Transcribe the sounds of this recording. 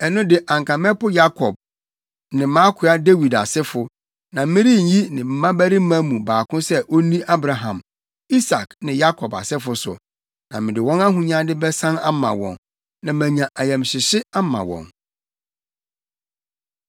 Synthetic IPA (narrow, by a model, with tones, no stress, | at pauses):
ɛ˨nʊ̃˦dɪ˨ʔã˨ŋ˨kʰã˨mɛ̃˦pʊ˦ja˦kʰɔ˨b̚ | nɪ̃˨mã˦kʰʊ˨a˦de˦wi˨da˨sɛ˦fʊ˨ | nã˨m̩˦mɪ̃˦ɾi˦˨ɲ̩˦ji˦nɪ̃˨m̩˦mã˦bæ˦ɾi˦m̩˦mã˦mũ˨baː˨kʰʊ̃˦sɛ˦ʔo˦nĩ˦ʔa˦bɾa˨ɦã̰˨m | i˦sa˨knɪ̃˨ja˦kʰɔ˨ba̰˨sɛ˦fʊ˨sʊ̰˨ | nã˨mɪ̃˨dɪ˨wɔ̃˦na˦ɦũ˨ɲã˦dɪ˦bɛ˦sã˦na˦mã̰˨wɔ̰̃˨n | nã˨mæ̃˨ɲã˨ʔa˨jɛ̃˨mɕɪ˨ɕɪ˦a˦mã̰˨wɔ̰̃˨n